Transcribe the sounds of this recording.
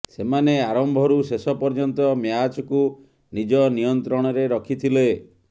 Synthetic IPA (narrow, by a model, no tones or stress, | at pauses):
semaneaɾɔmbʱɔɾusesɔpɔɾd͡ʒɔnt̪ɔmjat͡ʃɔku | nid͡ʒɔnijɔnt̪ɾɔɽ̃ɔɾeɾɔkʰit̪ʰile